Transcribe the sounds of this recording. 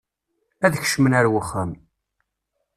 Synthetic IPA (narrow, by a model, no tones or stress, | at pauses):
æðçə̥ʃmənæɾwəχːæm